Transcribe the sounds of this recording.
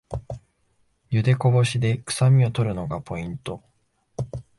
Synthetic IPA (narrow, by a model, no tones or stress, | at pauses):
jɯ̟d̪e̞ko̞bo̞ɕid̪e̞kɯ̥samʲio̞t̪o̞ɾɯ̟no̞ɡapʰo̞ĩnt̪o̞